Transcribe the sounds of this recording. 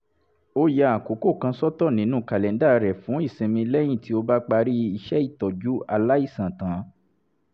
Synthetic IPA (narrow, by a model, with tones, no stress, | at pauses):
o˦ja˧a˨ko˨˦ko˦˨kã˧sɔ˦tɔ˦˨nĩ˨˦nũ˦˨ka˨lɛ̃˨n˦da˦˨˧ɾɛ˨fũ˨˦i˦˨sĩ˨mĩ˧lɛ˦j̃ĩ˦˨ti˧˦o˧ba˦k͡pa˧ɾi˦i˦˧ʃɛ˦i˦˨tɔ˨d͡ʒu˦a˧la˦i˦˨sã˨tã˨˦